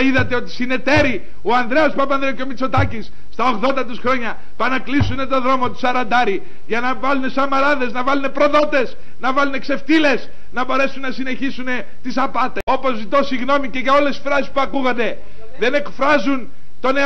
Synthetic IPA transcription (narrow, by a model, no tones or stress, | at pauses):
iðɐt̪eo̞t̪i̥sine̞t̪e̞ɾi | oɐnd̪ɾe̞ɐspɐpɐnd̪ɾeoceomit͡so̞t̪ɐcisːt̪ɐo̞ɣðo̞nd̪ɐt̪isxɾo̞ɲɐ | pɐnɐklisune̞t̪o̞ðɾo̞mo̞t̪u̥sɐɾɐnd̪ɐɾi | ʝɐnɐvɐlunesɐmɐɾɐðe̞znɐvɐlune̞pɾo̞ðo̞t̪e̞s | nɐvɐlune̞kse̞ft̪ile̞s | nɐbo̞ɾe̞sunːɐsine̞çisune̞ | t̪isɐpɐt̪eo̞po̞zit̪o̞siɣno̞miceʝɐo̞le̞si̥fɾɐsi̥spuɐkuɣɐnd̪e̞ | ðe̞ne̞kfɾɐzun | t̪o̞ne